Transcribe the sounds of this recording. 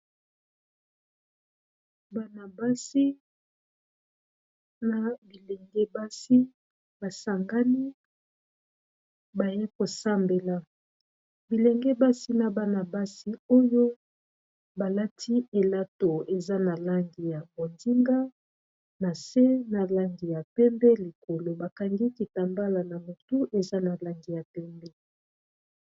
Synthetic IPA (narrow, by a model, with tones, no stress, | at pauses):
ba˨na˨ba˦si˦ | na˨bi˨le˨ŋɡɛ˦ba˦si˦ | ba˨sa˨ŋɡa˦ni˦ | ba˨je˦ko˨sa˦mbe˨la˦ | bi˨le˨ŋɡɛ˦ba˦si˦na˨ba˨na˨ba˦si˦o˦jo˦ | ba˨la˦tʰi˦e˨la˦to˨e˨za˦na˨la˦ŋɡi˨ja˨bo˨ndi˦ŋɡa˦ | na˨se˦na˨la˦ŋɡi˨ja˨pɛ˦mbɛ˦li˨ko˨lo˨ba˨ka˨ŋɡi˦ki˨ta˨mba˦la˨na˨mo˨tu˦ʔe˨za˦na˨la˦ŋɡi˨ja˨pɛ˦mbɛ˦